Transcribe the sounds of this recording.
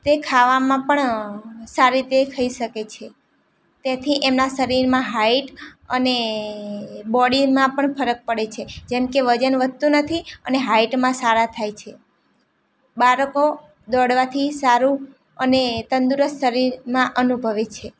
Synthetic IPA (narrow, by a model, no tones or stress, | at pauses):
t̪ekʰaʋamãpəɳsaɾit̪ekʰəiʃəket͡ʃʰe | t̪at̪ʰiʔemnasəɾiɾmãɦaiʈəne | bɔɽimãpəɳpʰəɾək̚pəɽet͡ʃʰed͡ʒemkeʋəd͡ʒənʋət̪unət̪ʰiəneɦaiʈmãsaɾat̪ʰajt͡ʃʰe | baɾəko | d̪ɔɽʋat̪ʰisaɾũ | ənet̪ənd̪uɾəsʃəɾiɾmãʔənubʱəʋet͡ʃʰe